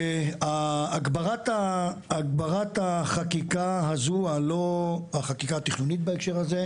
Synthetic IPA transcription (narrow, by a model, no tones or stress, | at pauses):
aːɡbaʁat̪aːɡbaʁat̪aχakikaɦazualoaχakikaːt̪iχnunit̪̚baekʃe̞ʁhaze